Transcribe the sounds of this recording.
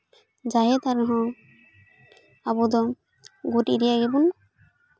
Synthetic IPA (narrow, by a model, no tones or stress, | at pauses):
zaɦɛt̪aɾnɔɦɔ̃ | abud̪ɔ | ɡutiɾiaɡibun